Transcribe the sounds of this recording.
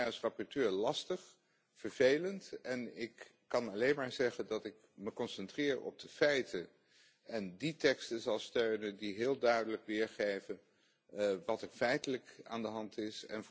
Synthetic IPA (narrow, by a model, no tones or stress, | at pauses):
srɑpɔɹtøːɹlɑstəχ | fəɹvejləntɛnɪkː | ɑnɑlejnmaːɹzɛχəndɑtɪk | məkɔnsɛntrɪːɹɔ̰b̚d̥əfɛjtə | ɛnditɛkstənzɑlˠstøɥnəndiɦɪːlˠdœɥdələkʋɪːɹχejvən | ʋɑtəfɛjtələka̰ːndəɦɑntɪsɛ̰n